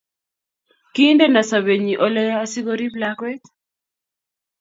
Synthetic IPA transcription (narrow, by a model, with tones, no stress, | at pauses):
ki˦nde˦na˨sa˨βe˨ɲi˨ʔɔ˦lɛ˦jaː˦si˦ɡo˦ɾi˦blakwɛ˦t̪